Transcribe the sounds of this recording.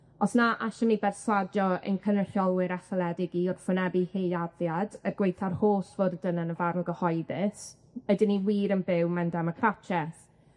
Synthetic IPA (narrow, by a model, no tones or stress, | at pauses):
ɔsnaʔaʃəmnibɛrswadjɔɪ̰nkʰənəɬɔlˠwɪɾaθəlˠɛdɪɡiɔrfʊnɛbiheaðjadəɡwejθarhoːsvoddənənəvarmɡəhɔjðɪs | ədɪniwiːɾənbɪwmɛndaməkʰrat͡ʃʰɛθ